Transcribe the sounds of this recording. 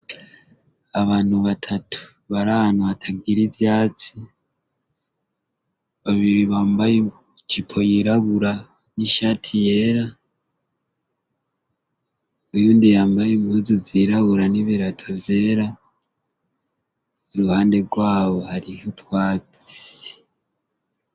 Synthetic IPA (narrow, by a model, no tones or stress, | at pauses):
aβaːn̥huβatʰatʰu̥ | βaɾanaβatʰaɡiɾivjaːt͡si | βaβiɾiβaːmbaje | t͡ʃipʰo̞jiɾaβuɾa | niʃatʰijeːɾa | ujuːndijaːmbajemuzuziɾaβuɾaniβiɾatʰo̞vje̞ːɾa | iɾuhaːnde̞ɡwaːβo̞haɾihutwaːt͡si̥